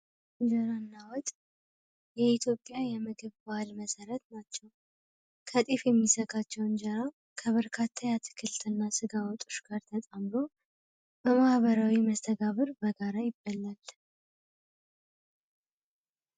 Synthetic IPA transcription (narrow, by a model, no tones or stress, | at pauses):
nd͡ʒəɾanːawɔt̪ʼ | jɛit̪ʰjo̞pʼːjajɛmɨɡɨβbalməsəɾət̪nat͡ʃːɛw | kʰət̪ʼifjɛmːisəɡat͡ʃːɛwnd͡ʒəɾa | kʰəβəɾkʰat̪ʰːajat̪ʰɨ̥kʰɨlt̪ʰɨnːasɨɡawɔt̪ʼu̥ʃɡ̥aɾt̪ʰət̪ʼamɾo | bəmahβəɾawiməst̪ʰəɡaβɨɾbəɡaɾajɪbːalːal